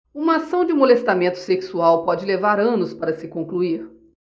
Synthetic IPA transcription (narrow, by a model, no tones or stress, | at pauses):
ũmɐːsɐ̃w̃d͡ʒɪmolest̪amẽnt̪ʊ̥seksuawpɔd͡ʒɪlevaɾɐ̃nʊspaɾɐsɪkõŋkluiɾ